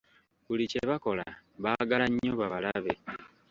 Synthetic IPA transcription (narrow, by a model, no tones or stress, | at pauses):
βulice̞βako̞la̰βaːɡalaɲːoβaβalaβe̞